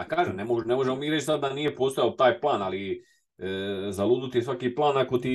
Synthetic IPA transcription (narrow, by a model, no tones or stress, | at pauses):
akaːʒemnemonemoʒemomiːɾet͡ʃsad̪d̪anije̞post̪ojaot̪aːjplˠaːnali | zalˠuːd̪ut̪ijesʋakiplˠaːnako̞t̪i